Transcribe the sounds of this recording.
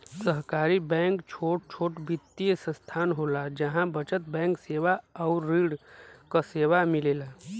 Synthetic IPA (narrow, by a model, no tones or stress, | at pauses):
səɦkaɾibɛ̃ŋkt͡ʃʰoːʈ̚t͡ʃʰoːʈbit̪ːijəsə̃st̪ʰaːnɦolad͡ʒəɦãbət͡ʃət̪̚bɛ̃ŋkseʋaəʊɾːiːɽkəseːʋamileːla